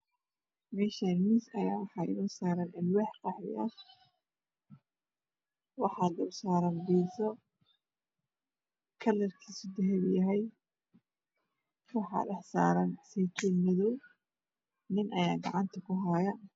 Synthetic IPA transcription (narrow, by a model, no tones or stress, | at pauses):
mɛːʃɐnmisɐjaːwɑħɑɪ̰nɐsaːɾɐnʔɪlwɛːħqɑħɪ̰ʔɐ | wɑħɑːd̪ɪbsaːɾɐnbiːsɔ | kʰɐlɐrkʰiːsʊd̪ɐɦɛbjɐɦɛj | wɑħɑ̰ɗɛħsaːɾɐnsɛjt̪ʰɪmɪðɔw | nɪnʔɐjaːɡɑʕɑnt̪ʰɐkʰʊɦajɐ